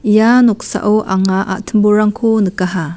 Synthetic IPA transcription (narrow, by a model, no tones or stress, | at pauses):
janɔk̚sa̰ʔoʔaŋaʔa̰ʔt̪ʰəmbuɾaŋkʰonɯkaɦa